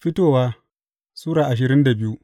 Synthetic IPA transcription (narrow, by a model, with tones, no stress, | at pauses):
ɸɪ˦toː˦˨waː˦ | suː˦ɽaː˨ʔa˨ʃ̬ɪ˨ɾɪ˦nda˨bɪ˦ju˦ʔ